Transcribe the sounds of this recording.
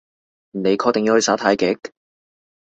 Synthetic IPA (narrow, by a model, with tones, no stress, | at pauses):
m̩˨˩ne˨˧jkʰɔː˧kt̪e˨ŋji˧whɵ˧saː˨˥t̪ʰaː˨˥jkɪ˨˥k̚